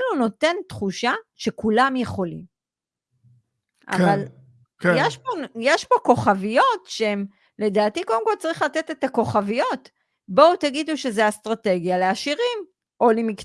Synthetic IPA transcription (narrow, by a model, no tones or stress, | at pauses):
luno̞te̞nt̪χuʃaʃe̞kulamjeχo̞lḭm | ʔa̰vval | kjeʃpojeʃpo̞ko̞χavijo̞t̪ʃeem | le̞d̪aːtikodemkolt͡saʁiχlat̪et̪e̞t̪ako̞χavijo̞t̪ | bo̞wt̪aɡid̪uʃe̞zeast̪ʁate̞ɡjaleaʃiʁim | ʔo̞lemik